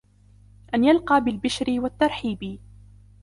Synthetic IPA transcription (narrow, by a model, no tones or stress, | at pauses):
ʔanjalqɑːbɪlbɪʃɾɪwat̪ːɑɾˤħiːbi